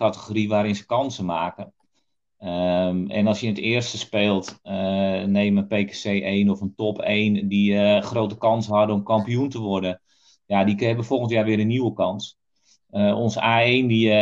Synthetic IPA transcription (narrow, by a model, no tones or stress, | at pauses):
atəxoriʋaːɾɪnzə̥kɑnsəmaːkən | ɛ̰nɑlˠsjəɪnətɪərstəspeːlˠt | neːməənpeːkesejʔeːnɔfəntɔpʰeːndixroːtəkɑnshɔdəɔmkɑmpijuntəʋɔrdə | jadikɛbəfolˠɣəntjaːʋɪəɾənːiwəkɑns | əɔnsaːeːndi